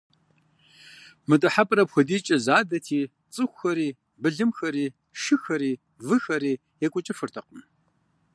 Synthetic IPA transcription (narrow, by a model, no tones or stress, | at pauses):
mɨtʼɨħapʼrɐpxʷɔdiːt͡ʃʼɐzaːdɐtʰiː | t͡sʼɨxʷxɐɾiː | bɨɮɨmxɐɾiː | ʃɨxɐɾiː | vɨxɐɾiː | jɛkʷʼʊt͡ʃʼɪfɨrtʰɐqəm